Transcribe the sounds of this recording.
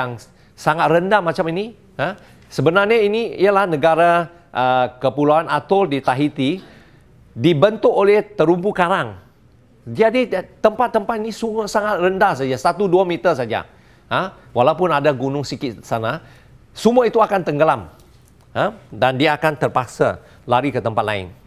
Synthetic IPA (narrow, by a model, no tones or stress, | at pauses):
aŋ | saŋat̪̚rəndahmat͡ʃamini | ə | səbənarɲainiḭəlahnəɡaɾa | ʔəkəpulaanat̪ʊldit̪aɦit̪i | dibənt̪ʊk̚olɛht̪əɾumpukaɾaŋ | diadit̪əmpat̪ːəmpat̪inisuŋəsaŋat̪̚rəndahsad͡ʒasat̪uduamit̪ərsad͡ʒa̰ | ə | walaupʊnadaɡunʊŋsikɪt̪sana | suməit̪uakant̪əŋɡəlam | ədandiaːkant̪ərpak̚sa̰ | laɾikət̪əmpat̪̚la̰ɪ̰n